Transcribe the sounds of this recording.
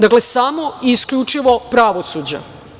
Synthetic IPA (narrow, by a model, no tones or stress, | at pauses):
d̪aklesamoiskʎut͡ʃiʋo̞pɾaʋosuːd͡ʑa̰